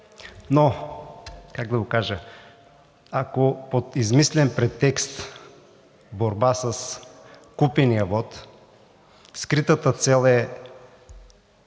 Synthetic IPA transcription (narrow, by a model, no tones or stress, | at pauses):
no | kaɡd̪ɐɡokaʒə | akopot̪izmislɛnpɾɛt̪ːɛkst̪ | boɾbasɐskupɛnijɐvɔt̪ | skɾit̪ət̪ət̪sɛlˠɛ